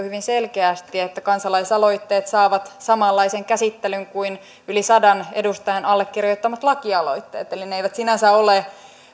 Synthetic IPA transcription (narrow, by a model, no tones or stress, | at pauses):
hyʋinselkeæst̪iet̪ːækɑnsɑlɑisɑlo̞it̪ːe̞ːt̪sɑːʋɑt̪sɑmɑlːɑiseŋkæsit̪ːelyŋkuin | ylisɑdɑnedust̪ɑjɑnɑlːekːirjot̪ːɑmɑt̪lɑkiɑlo̞̰it̪ːḛːt̪elineeijʋæt̪sinæsæole